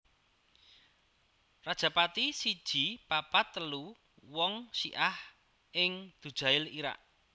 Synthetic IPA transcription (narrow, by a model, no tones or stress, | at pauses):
rad̥ʒ̥ä̤pat̪isid̥ʒ̥i̤papat̪ːəlu | wɔŋʃḭʔah | ʔɪŋd̪̥ṳd̥ʒ̥a̤ɪliɾa̰ʔ